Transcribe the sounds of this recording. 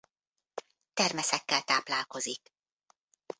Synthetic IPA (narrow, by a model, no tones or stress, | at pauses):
t̪ɛrmɛsɛkːɛlt̪aːplaːlko̞zik